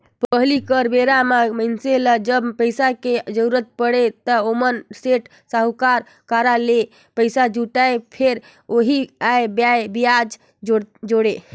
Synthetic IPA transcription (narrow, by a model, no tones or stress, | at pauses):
pəɦlikəɾbeɾamamənseləd͡ʒəbpəjsaked͡ʒəɾuɾət̪̚pəɽet̪əomənseʈ | saɦukaɾ | kaɾale | pəjsad͡ʒuʈaepʰeɾ | oɦiajbjajbijad͡ʒ | d͡ʒoɽe